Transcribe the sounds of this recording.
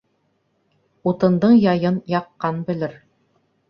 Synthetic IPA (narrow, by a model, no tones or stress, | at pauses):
ut̪ɤ̆nd̪ɤɴjɑjɤnjɑqːɑnbɘ̆lɘɾ